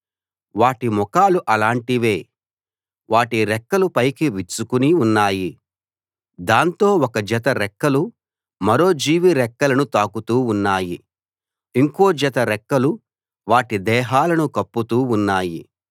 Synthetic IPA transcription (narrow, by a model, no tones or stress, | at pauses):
ʋaːʈimɔkaːluʔɐlaːɳʈiʋe̞ː | ʋaːʈiɾɛkːɐlupɐjkiʋit͡ʃːukuniunːaːji | d̪aːnt̪o̞ːɔkɐd͡ʒɐt̪ɐɾɛkːɐlu | mɐɾo̞ːd͡ʒiːʋiɾɛkːɐlɐnut̪aːkut̪uːunːaːji | iŋko̞ːd͡ʒɐt̪ɐɾɛkːɐlu | ʋaːʈid̪ɛːɦaːlɐnukɐpːut̪uːunːaːji